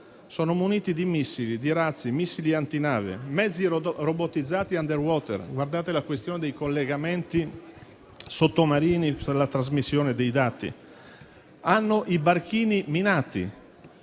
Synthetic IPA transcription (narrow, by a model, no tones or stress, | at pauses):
soːnomuniːt̪id̪imisːilid̪iɾat̪sːimisːiliant̪inaːvḛmɛd̪zːirobot̪ːid̪zːaːt̪iand̪erwɔːt̪ḛrɡward̪aːt̪elakwest̪joːned̪ejkolːeɡament̪i | sot̪ːomaɾiːnipelat̪ɾazmisːjoːned̪ejd̪aːt̪ḭ | anːoʔibark̟iːniminaːt̪ḭ